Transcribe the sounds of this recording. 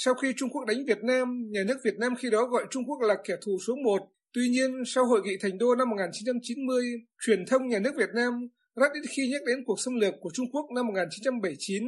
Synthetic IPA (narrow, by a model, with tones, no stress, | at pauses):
sa˧wxi˧t͡ɕʊ˧ŋ͡mku˦˥ək̚ɗa˨˦jŋ̟vi˨˩ət̚naː˧mɲaː˨˩nɨ˦˥ək̚vi˨˩ət̚naː˧mxi˧ɗɔ˨˦ɣɔ̰˧˨jt͡ɕʊ˧ŋ͡mku˦˥ək̚laː˨˩kɛ˧˩t̪ʰu˧˩so˨˦mo˨˩t̚ | t̪wi˧ɲi˧ənsa˧wɦo̰˧˨jŋḭ˧˨t̪ʰɛ˨˩ŋ̟ɗo˧na˧mːo˨˩t̚ŋaː˨˩nt͡ɕi˨˦nt͡ɕa˧mt͡ɕi˨˦nmɨ˧əjt͡ɕwi˧˩ənt̪ʰə˧wŋ͡mɲaː˨˩nɨ˦˥ək̚vi˨˩ət̚naː˧m | zaː˦˥t̚ɗi˦˥t̚xi˧ɲə˦˥t̚ɗe˨˦nku˨˩ək̚sə˧wŋ͡mlɨ˨˩əkːu˧˩ət͡ɕʊ˧ŋ͡mku˦˥ək̚na˧mː˨˩t̚ŋaː˨˩t͡ɕi˨˦nt͡ɕa˧mɓə˧˩jt͡ɕi˨˦n